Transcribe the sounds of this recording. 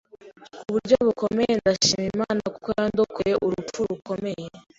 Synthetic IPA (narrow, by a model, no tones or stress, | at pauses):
kuβuɾɟo̞βuko̞mejendaʃiːmimaːnakokojaːnd̪okuje̞ʔuɾuuɾuko̞me̞je